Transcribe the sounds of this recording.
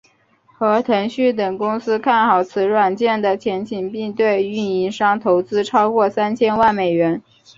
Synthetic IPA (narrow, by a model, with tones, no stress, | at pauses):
xɤ˧˥t̪ʰɤ˧˥ŋɕy˥˩t̪̬ɤ˨˩ŋkʊ˥ŋsɹ̩˥kʰa˥˩nxɑ˨˩ʊt͡sʰɹ̩˧˥ɻwa˨˩nt͡ɕjɛ˥˩nd̪ə˩t͡ɕʰjɛ˧˥nt͡ɕʰi˨˩ŋpi˥˧ŋt̪we˥˩ɪy˥˩ni˧˥nʂɑ˥ŋt̪ʰo˧˥ʊt͡sɹ̩˥ʈ͡ʂʰɑ˥ʊkwɔ˥˩sa˥nt͡ɕʰjɛ˥nwa˥˩nme˨˩ɪɥɛ˧˥n